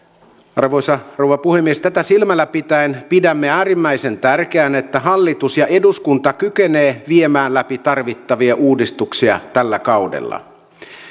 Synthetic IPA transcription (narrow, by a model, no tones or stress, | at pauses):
ɑ̰rʋo̞jsɑrowʋɑpuhemːiest̪æt̪æsilmælːæpit̪æenpidæmːeæːrimːæise̞nt̪ærk̟eæne̞t̪ːæɦɑlːit̪usjɑʔe̞duskunt̪ɑkyk̟eneːʋiemæːnlːæpit̪ɑrʋit̪ːɑʋiɑʔuːdist̪uksiɑ̰t̪ælːækɑwdḛlːɑ̰